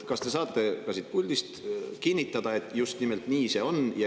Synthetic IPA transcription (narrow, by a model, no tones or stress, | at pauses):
kɑst̪e̞sɑːt̪ːe̞kɑsit̪̚pulʲd̪ist̪kinʲːit̪ːˑɑd̪̥ɑet̪ːˑjust̪nimelt̪niːse̞o̞njɑ